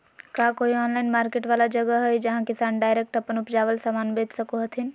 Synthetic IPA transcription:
kaːkoːiɔːnlaːɪnmaːɾkeːʈʋaːlad͡ʒɐɡəɦəjd͡ʒɐɦãkɪsaːnɖaːɪɾek̚ʈɐpənʊpd͡ʒaːʋəlsaːmaːnbeːt̪sɐkoɦɐt̪ʰin

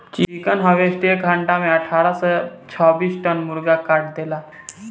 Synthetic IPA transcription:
t͡ɕiikənɦəʋesʈekɦãɳʈameəʈʰaɾasət͡ɕʰəbiːsʈənmuɾɡakaʈd̪ela

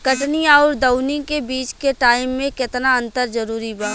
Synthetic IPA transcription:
kɐʈniɔːɾd̪ɐʊnɪ̃kebiːt͡ʃkeʈaːɪmːẽkɪt̪naɐ̃nt̪əɾd͡ʒɐɾuːɾibãː

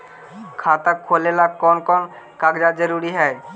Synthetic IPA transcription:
kʰat̪akʰːolelab̚kɔnkɔn | kakd͡ʒad͡ʒəɾuɽiɦɛe

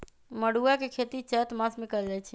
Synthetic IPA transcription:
məɽuakekʰet̪it͡ʃət̪masmekəɾd͡ʒajt͡ʃʰi

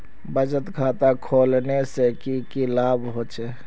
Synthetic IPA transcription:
bəd͡ʒət̪kʰaːt̪akʰoːlnesekikilaːbɦot͡ʃe

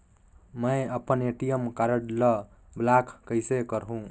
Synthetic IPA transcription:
məjəpəneʈijəmkaɾəɽlʌ | blakʰkəɪsekəɾɦũ

